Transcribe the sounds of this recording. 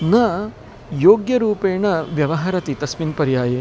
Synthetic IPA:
nɐ | joːɡjɐɾuːpeːɳɐʋjɐʋɐɦaɾɐt̪it̪ɐsminpɐɾjaːje

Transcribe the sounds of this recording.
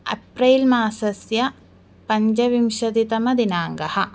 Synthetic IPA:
ɐ̰pɾɐːlmaːsɐsjɐ | pɐɲd͡ʒɐʋimʃɐd̪it̪ɐmɐd̪inaːŋɡɐhɐ

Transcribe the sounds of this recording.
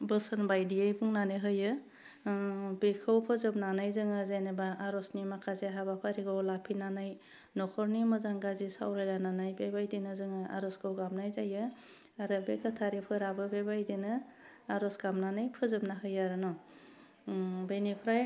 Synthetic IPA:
bɯsɯnbajdiejbuŋnanɯɦɯjɯ | bekʰɯwpʰɯzɯp̚nanajzɯŋɯzajnɯbaʔːɾɔsnimakʰazeɦabapʰaɾiɡawlapʰinanaj | nɔkʰɔɾnimɯzaŋɡazisa̰wɾajlananajbebajdinɯzɯŋɯa̰ɾɔskʰɯwɡamnajzajɯ | aɾɯbekʰɯtʰaɾipʰɯɾabɯbebajdinɯ | aɾɔsɡamnanajpʰɯzɯp̚naɦɯjaɾɯnɔ | bejnipʰɾaj

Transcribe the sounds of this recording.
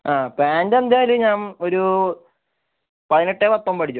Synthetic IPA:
aːpaːndɐnd̪eːiluɲaːno̞ɾu | pɐðineʈːeːpɐt̪ːoːmpɐʈʰit͡ɕːu

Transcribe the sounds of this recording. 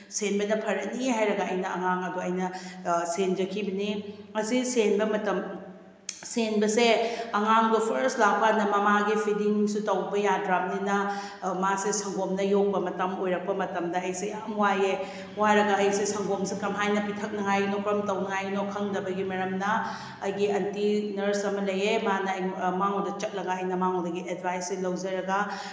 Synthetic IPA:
senbɐnɐpʰɐɾɐniɦajɾɐɡɐɐjnɐɐŋaŋɐduɐjnɐsend͡ʒɐkʰibɐniŋɐsisenbɐmɐtɐm | senbɐseɐŋaŋdupʰɐɾslak̚panɐmɐmaɡipʰidiŋsutɐwbɐjadɾap̚ninɐ | masesɐŋɡomnɐjok̚bɐmɐtɐmojɾɐk̚pɐmɐtɐmdɐɐjsejamwaje | wajɾɐɡɐːjsesɐŋɡomsekɐmɦajnɐpitʰɐk̚nɐŋajnokɾɐmtɐwnɐŋajnokʰɐŋdɐbɐɡimɐɾɐmnɐ | ɐjɡiɐntinɐɾsɐmɐlɐjemanɐjmaŋowdɐt͡ʃɐk̚lɐɡaɐjnɐmaŋɦowdɐɡiʔedbʱajselɐwzɐɾɐɡɐ

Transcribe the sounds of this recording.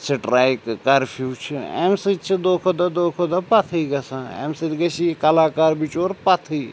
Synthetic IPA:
sʰiʈɾaːjkkɐɾpʰjuːt͡ʃʰiḛmsit͡ʃʰid̪oːkʰod̪ɐd̪oːkʰod̪ɐpɐt̪ʰiɡɐsãḛmsiɾɡɐsikɐlaːkaːɾbit͡ʃoːɾpɐt̪ʰiː

